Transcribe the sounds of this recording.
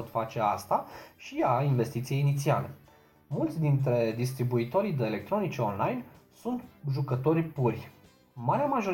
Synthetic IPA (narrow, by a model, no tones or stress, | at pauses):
ot̪fat͡ʃe̞ast̪aʃiainve̞st̪it̪sije̞jinit̪siale̞̰ | mult̪sʲd̪int̪ɾe̞d̪ist̪ɾibuit̪o̞ɾid̪e̞ːle̞k̚t̪ɾo̞nit͡ʃeonlajnsunt̪ʒukət̪o̞rʲpurʲ | maɾeamaʒo